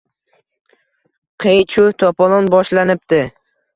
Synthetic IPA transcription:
qʰejt͡ʃʰʊt̪ʰɒpɒlˠɒnbɒʃlanɪp̚t̪ɪ

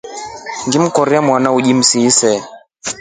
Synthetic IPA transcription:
ŋɡim̩kɔɾiamwanauʄim̩sisɛ

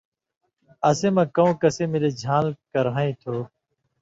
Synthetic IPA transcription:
əsẽːmãːkəõːkəseːmɪleːd͡ʒʱãːlkəɾãːĩːt̪ʰoː

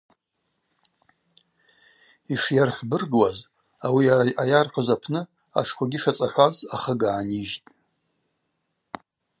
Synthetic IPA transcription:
iʂjarħʷbɨrɡwaz | awiaɾajʔajarħʷazapʰnɨ | a̰ʂkʷʰaɡʲiɪʂat͡sʼaħʷazaχəɡaːniʒtʼ

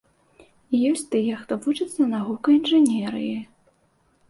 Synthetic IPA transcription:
ijɔsʲt͡sʲt̪ɨjɛxt̪ɔvut͡ʂɐt̪sːɐnaɣukɐinʐɨnʲɛɾɨ̰ji

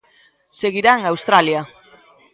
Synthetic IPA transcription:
seɣiɾaŋawst̪ɾalja

